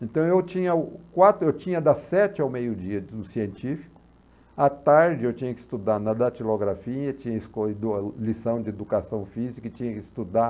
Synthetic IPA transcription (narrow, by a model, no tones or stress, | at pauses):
ẽnt̪ɐ̃w̃ewt͡ʃĩɲɐʊkwat̪ewt͡ʃĩɲɐd̪ɐsɛt͡ʃɪawmejʊd͡ʒiɐʊsiẽnt͡ʃifi̥kʊ̥ | at̪aɾd͡ʒɪewt͡ʃĩɲɐkɪ̥st̪ud̪aɾnɐd̪at͡ʃiloɡɾafiɐt͡ʃĩɲɐɪskɔlisɐ̃w̃d͡ʒɪed̪ukasɐ̃w̃fizikɐɪt͡ʃĩɲɐkɪst̪ud̪a